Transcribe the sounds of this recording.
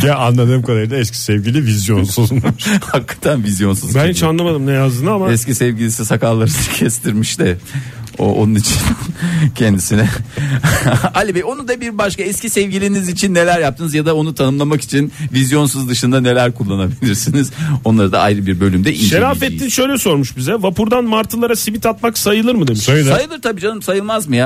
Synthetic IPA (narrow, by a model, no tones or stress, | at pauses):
jaanlˠad̪ɯːmkʰad̪aɾɯlaɛscʰʲi̥sɛvɟilʲivizjo̞nsuznhakːḁt̪ʰanvizjo̞nsuz̥bænnit͡ʃanlˠamad̪ɯmnejazd̪ɯnaamaɛscisɛvɟilʲisisakalˠaɾɯzɯcʰɛst̪ʰiɾmiʃt̪ɛ | o̰ʔo̰nunit͡ʃʰincʰɛnd̪isinɛ | alʲibɛjo̞nud̪abiɾbaʃkaɛscʲisɛvɟilʲinizit͡ʃʰinːe̞lʲæɾjap̚t̪ɯːnɯzjad̪ao̞nut̪ʰanɯmlˠamaki̥t͡ʃʰinvizjo̞nsuzd̪ɯʃɯnd̪ane̞lʲæɾkʰulˠːanabilʲiɾsiniz̥o̞nlˠaɾɯd̪a̰ajɾɯbiɾbø̞lʲymd̪ɛʔinʃeɾafɛt̪ʰːinʃø̞jlʲɛso̞ɾmuʃbizɛvapuɾd̪anmaɾt̪ʰɯlˠaɾasibit̪at̪̚maksajɯlˠɯɾmɯd̪emsajsajɯlˠɯɾt̪ʰabiːd͡ʒanɯmsajɯlˠmazmɯja